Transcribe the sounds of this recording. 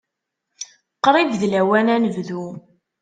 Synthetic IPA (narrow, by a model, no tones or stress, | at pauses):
qːɾˤid̪ðlæwænænəvðu